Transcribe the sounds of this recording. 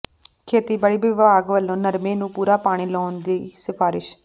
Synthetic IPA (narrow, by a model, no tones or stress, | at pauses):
kʰeːt̪iːbəɽiːʋɪʋaːɡʋəlːõːnəɾmẽːnũːpuːɾaːpaːɽ̃iːlɔːnd̪iːsɪpʰaːɾɪʃ